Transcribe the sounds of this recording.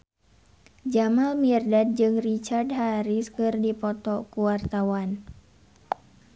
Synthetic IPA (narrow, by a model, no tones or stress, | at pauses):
d͡ʒamalmirdad̚d͡ʒɨŋrit͡ʃardɦaɾiskɨrdipɔt̪ɔkuwart̪awan